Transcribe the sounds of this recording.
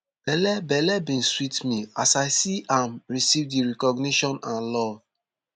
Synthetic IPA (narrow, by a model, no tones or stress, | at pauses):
b̥ɛlɛbɛlɛbĩnswitmiasaɪsiãmɹisivdiɹɛkɔɡniʃɔ̃nãnlɔ